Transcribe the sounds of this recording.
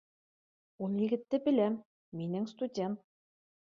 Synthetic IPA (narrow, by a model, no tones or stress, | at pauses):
ulˠjɘ̆ɡɘ̆t̪ːɘbɘ̆læmː | inɘŋst̪udʲent̪̚